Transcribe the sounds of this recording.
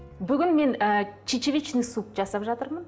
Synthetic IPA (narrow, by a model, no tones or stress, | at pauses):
bʏɡʲɪnme̞nət͡ʃʰet͡ʃevʲit͡ʃnɪsup̚ʒɑsɑpʒɑt̪əɾmən